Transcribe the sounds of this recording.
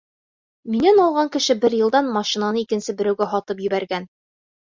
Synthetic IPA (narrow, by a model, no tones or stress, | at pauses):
minænɒlˠʁɑŋkɘ̆ʃɘbɘɾjɤ̆lˠd̪ɑnmɑʃinanɤikɘ̆nsɘbɘ̆ɾæwɡæɦɒt̪ɤpjɵ̆bæɾɡæn